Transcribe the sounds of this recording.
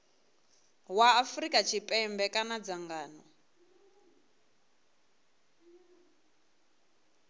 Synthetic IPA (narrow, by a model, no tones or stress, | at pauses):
waːfrikʼat͡ʃʰipʼɛmbɛkʼanad͡zaŋɡaːnɔ